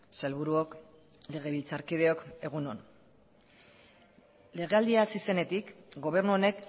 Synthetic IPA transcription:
selβuɾuok | le̞ɣ̞e̞βilt͡saɾkið̞e̞o̞ke̞ɣ̞uno̰n | le̞ɣ̞e̞ald̪iasise̞ne̞t̪ikɡo̞β̞e̞ɾnuo̞ne̞k

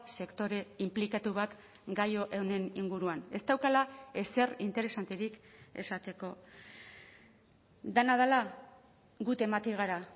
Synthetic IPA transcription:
se̞kt̪o̞ɾe̞implikat̪uβat̪ | ɡajo̞ʔewne̞niŋɡuɾuane̞st̪awkalae̞se̞rint̪e̞ɾe̞sant̪eɾike̞̰sat̪e̞ko̞ | d̪enað̞ala | ɡut̪e̞mat̪iɣ̞aɾa

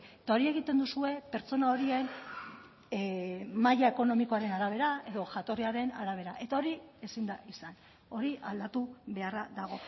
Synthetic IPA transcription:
t̪ao̞ɾie̞ɣit̪e̞nd̪usue̞pe̞ɾt͡so̞nao̞ɾien | majae̞ko̞no̞miko̞aɾe̞naɾaβ̞e̞ɾae̞ðo̞ʝat̪o̞riaɾe̞na̰ɾaβ̞e̞ɾaʔe̞t̪ao̞ɾie̞sind̪aʔisan | o̞ɾiʔald̪at̪uβe̞araðaɣ̞o̞

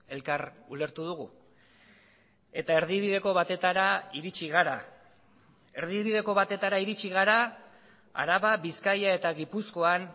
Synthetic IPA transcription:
e̞lkaɾule̞ɾt̪uð̞uɣu | e̞t̪ae̞ɾðiβ̞iðe̞ko̞βat̪e̞t̪aɾaiɾit͡ʃiɣ̞aɾa | e̞ɾðiβið̞e̞ko̞βat̪e̞t̪aɾaiɾit͡ʃiɣaɾa | a̰ɾaβaβiskajae̞t̪aɣipusko̞an

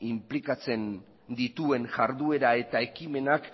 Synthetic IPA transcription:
implikat͡se̞n | d̪it̪ue̞ŋʝaɾðue̞ɾae̞t̪ae̞kime̞nak

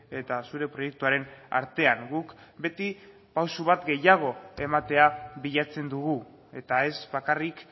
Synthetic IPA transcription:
e̞t̪asuɾe̞pɾo̞je̞k̚t̪uaɾe̞na̰ɾt̪e̞aŋɡukbe̞t̪i | pawsuβat̪ɡe̞jaɣ̞o̞e̞mat̪e̞aβiʎat͡se̞nd̪uɣu | e̞t̪ae̞zβakarik

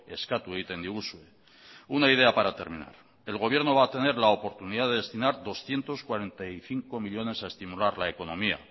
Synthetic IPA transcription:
e̞skat̪ujt̪end̪iuswe | unaið̞e̞apaɾat̪e̞ɾmĩna̰ɾ | e̞lɣ̞o̞β̞je̞ɾno̞βaːt̪e̞ne̞ɾlaopo̞ɾt̪uniðaðeðe̞st̪inaɾðo̞sθje̞nt̪o̞skwaɾe̞nt̪aiθiŋko̞miʎo̞ne̞sae̞st̪imulaɾlae̞ko̞no̞mia̰

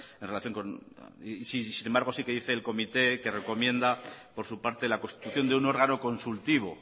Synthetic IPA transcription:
enrelaθjo̞ŋkon | sisine̞mbaɾɣ̞o̞sike̞ðiθe̞ːlko̞mit̪e̞ke̞re̞ko̞mje̞nd̪apo̞ɾsupaɾt̪e̞lako̞nst̪it̪uθjo̞nd̪euno̞ɾɣano̞ko̞nsult̪iβ̞o

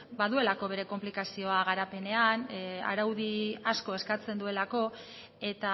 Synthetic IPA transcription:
baðue̞lako̞β̞e̞ɾe̞ko̞mplikasio̞aɣ̞aɾape̞ne̞ana̰ɾawðiasko̞e̞skat͡send̪ue̞lako̞ | e̞t̪a

